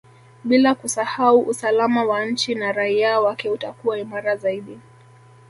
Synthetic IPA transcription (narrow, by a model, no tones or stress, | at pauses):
ɓilakusahauʔusalamawan̩t͡ʃinaɾaiawakɛutakuwaimaɾazaiɗi